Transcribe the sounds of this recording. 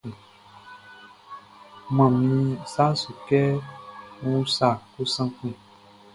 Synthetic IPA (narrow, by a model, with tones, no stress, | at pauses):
ũ˨ | mã˨mĩ˧sa˦su˨kɛ˦ | ŋũ˦sa˨ku˦sã˦kũ˦˨